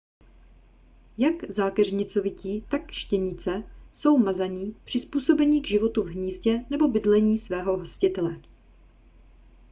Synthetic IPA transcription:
jakzaːkɛrɲɪt͡so̞vɪciːt̪akʃcɛɲɪt͡sɛso̞wmazaɲiːpr̝̥ɪspuːso̞bɛɲiːɡʒɪvo̞t̪uvɦɲiːscɛnɛbo̞bɪdlɛɲiːsvɛːɦo̞ɦoscɪt̪ɛlɛ

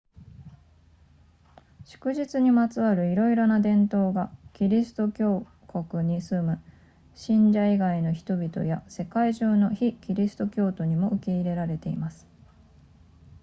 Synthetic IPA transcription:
ɕɨ̥kɯ̟ʑit͡sɨɲ̟imat͡sɨβaɾɯ̟iɾo̞iɾo̞nad̪ẽ̞nt̪o̞ːɡakʲiɾʲisɨ̥t̪o̞kʲo̞ː | ko̞kɯ̟ɲ̟isɨmɯ̟ | ɕĩɲ̟d͡ʑaiɡaino̞çi̥t̪o̞bʲit̪o̞̰jase̞kaiʑɨːno̞çikʲiɾʲisɨ̥t̪o̞kʲo̞ːt̪o̞ɲ̟imo̞ɯ̟ke̞iɾe̞ɾaɾe̞t̪e̞imasɨ̥

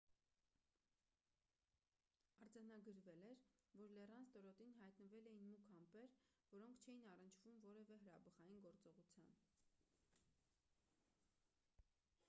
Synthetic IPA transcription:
ɑɾd͡zɑnɑɡəɾvɛlɛɾvɔɾlɛrɑnst̪ɔɾɔt̪inɦɑjt̪nəvɛlɛjinmukʰɑmpɛɾvɔɾɔŋkʰt͡ʃʰɛjinɑrənt͡ʃʰv̥umvɔɾɛvɛɦəɾɑbəʁɑjinɡɔɾt͡sɔʁut͡sʰjɑn

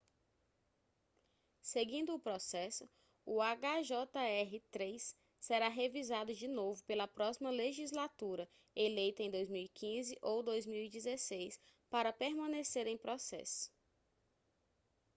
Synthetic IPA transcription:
seɡĩnd̪ʊːpɾɔsɛsʊ | ʊaɡaʒɔt̪ɐɛɦɪt̪ɾejsː | eɾaɦevizad̪ʊd͡ʒinovʊpelɐpɾɔsimɐleʒizlat̪uɾɐ | elejt̪ɐẽj̃d̪ojzmiwikʰĩzɪʔowd̪ojzmiwid͡ʒizesejspaɾɐpeɾmɐ̃neseɾẽj̃pɾɔsɛ̰sʊ̥

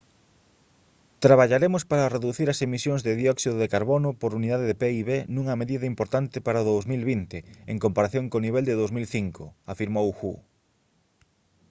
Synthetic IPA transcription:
t̪ɾaβaʎaɾemʊspaɾɐreðuθiɾɐsemisjõŋzðeðjɔksiðoðekaɾβonʊpoɾuniðaðeðepeiβenũŋɐmeðiðɐimpoɾt̪ant̪ɪpaɾɐoðowzmilβint̪ɪeŋkompaɾaθjoŋkoniβ̞eld̪ɪðowzmilθiŋkʰʊafiɾmowxu

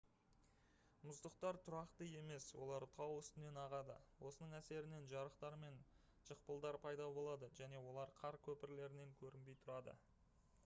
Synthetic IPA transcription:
mʊzd̪əqt̪ɑɾt̪ʰʊɾɑqt̪əje̞me̞swo̞̰lˠɑɾt̪ʰɑwʏst̪ɪne̞nɑʁɑd̪ə̰wʔo̞sənəɴæse̞ɾɪne̞nʒɑɾəqt̪ɑɾme̞n | ʒ̥əq̚pəlˠd̪ɑɾpʰɑjd̪ɑbo̞lˠɑd̪əʒæne̞wo̞lˠɑɾqʰɑɾkʲʰɵpɪɾle̞ɾɪne̞ŋkʲʰɵɾɪnbe̞jt̪ʰʊɾɑd̪ə̰

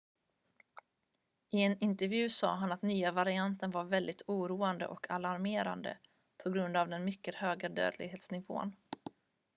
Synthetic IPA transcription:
ɪɛnɪnt̪ɛɾvjʉ̟ːsɑ̰ːɦanat̪nyːavaɾɪant̪ənvaɾvɛld̪ɪt̪ʰuːɾuːand̪ə̰ʔɔkʰalaɾmeːɾa̰nd̪ə̰ | pʰɔɡɾɵnd̪avd̪ɛnmʏkːəhøːɡad̪ø̰ːd̪lɪ̰ɡɦeːt̪snɪvo̰ːə̰n

